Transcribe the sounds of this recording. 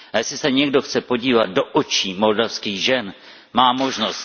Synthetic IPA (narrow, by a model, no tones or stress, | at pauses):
ajɛslɪsɛɲɛɡdo̞xt͡sɛpo̞ɟiːvat̪̚do̞ʔot͡ʃiːmo̞ldafskiːɣʒɛn | maːmo̞ʒno̞st̪